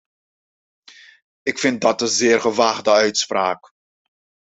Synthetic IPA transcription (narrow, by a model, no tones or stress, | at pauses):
ɪkfɪnt̚dɑtənzɪːərχəʋaːχdəœɥtspraːk